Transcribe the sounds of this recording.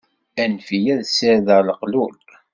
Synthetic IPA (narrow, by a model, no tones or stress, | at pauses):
ænfijæðsəɾðələqlul